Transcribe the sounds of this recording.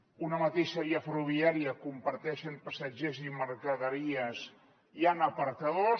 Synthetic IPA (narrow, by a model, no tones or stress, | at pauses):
unəmat̪eʃəβiəfəɾuβiaɾiəkumpəɾt̪ɛʃəmpəsəd͡ʒeziməɾkəðəɾiəs | ianəpəɾt̪əðo